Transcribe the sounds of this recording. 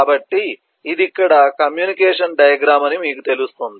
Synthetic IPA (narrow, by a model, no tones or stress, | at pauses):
bɐʈːiː | d̪ikːɐɽɐkɐmjuːnikɛːʂɐnɖɐjɐɡɾaːmɐnimiːkut̪e̞lust̪ond̪i